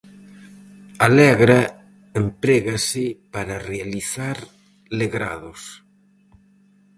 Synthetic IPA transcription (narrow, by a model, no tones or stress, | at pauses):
alɛɣɾa | empɾeɣasɪpaɾarealiθaɾ | leɣɾa̰ðos